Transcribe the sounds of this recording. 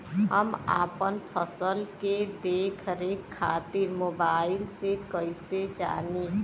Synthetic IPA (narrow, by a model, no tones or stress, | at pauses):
ɦə̰ma̰pənpʰəsəlked̪ekʰəɾekʰːat̪iɾmobailsekəjsed͡ʒa̰ni